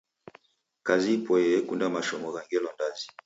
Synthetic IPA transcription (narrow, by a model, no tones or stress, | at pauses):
kazipɔjɛɛkundamaʃɔmɔɣaŋɡɛlɔndazi̥